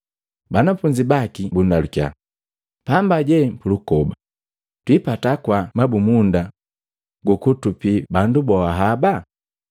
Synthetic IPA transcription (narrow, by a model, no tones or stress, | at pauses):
banafuɲd͡ʒibakibundalukja̰ | pambaɟɛm̩pulukɔba | twipatakwamabumunda | ɡukutupibandubɔaɦaba